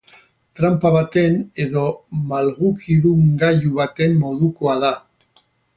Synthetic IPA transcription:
t̪ɾampaβat̪e̞ne̞ðo̞malɣukʰiðuŋɡajuβat̪e̞mːo̞ðuko̞aða

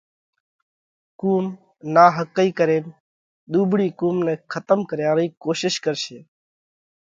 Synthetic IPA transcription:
kuːm | naːɦəkːəiːkəɾeːn | ɗ̪uːbʱɽiːkuːmnẽːkʰət̪əmkəɾjãːɾiːkoːʃɪʃkəɾʃeː

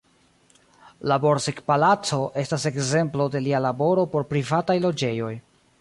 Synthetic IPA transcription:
labo̞ɾsekpalat͡so̞ʔe̞stase̞kze̞mplo̞de̞lialabo̞ɾo̞po̞ɾpɾivatajlo̞d͡ʒe̞jo̞j

